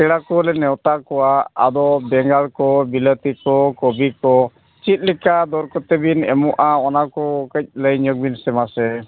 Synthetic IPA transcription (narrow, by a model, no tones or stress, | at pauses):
kɛɽakɔlɛnɛwt̪akɔwa̰ːd̪ɔbɛŋɡaɭkɔbilət̪ikɔkɔbikɔ | t͡ʃit̪̚ˀlikad̪ɔɾkɔt̪ɛbinɛ̰mɔʔaɔnakɔkəc̚ləjɲɔɡ̚binsɛmasɛ